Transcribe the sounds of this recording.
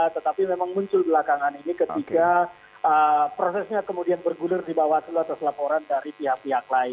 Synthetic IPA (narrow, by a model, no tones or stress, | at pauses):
t̪ət̪apimemaŋmuɲt͡ʃʊlbəlakaŋaninikət̪ika | əpɾosɛsɲakəmudianbərɡulɪrdibawat̪ulat̪aslapoɾandaɾipiɦak̚piak̚laɪ